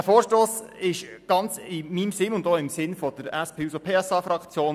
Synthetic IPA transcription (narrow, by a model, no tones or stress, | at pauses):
əfoːɾʃtoːsɪʃɡ̥ɑnt͡sɪmimsɪnʊnd̪oːɪmsɪnfɔd̥̪əɾɛspʰeːusopʰeːɛsɑːfɾɑkt͡sjoːn